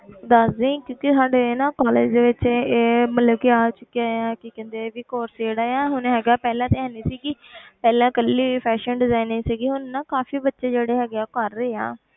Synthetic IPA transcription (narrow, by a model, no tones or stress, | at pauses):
d̪aːsd̪ĩːkjõːkisaːɖenãːkɔːleːd͡ʒd̪eːʋɪt͡ʃeːmət̪ləbkɪaːt͡ʃʊkːeaːaːkɪkɛ̃ːnd̪eːʋiːkoːɾseːɽaːaːɦʊnɦɛːɡaːpɛːlãːt̪eɦɛ̃ːnd̪iːsiːkɪpɛːlãːkəlːiːpʰɛːʃənɖɪzaːinːeːsəɡiːɦʊnːãːkaːfiːbətːʃeːd͡ʒeːɽeːɦɛːɡeaːkəɾːeːa̰ː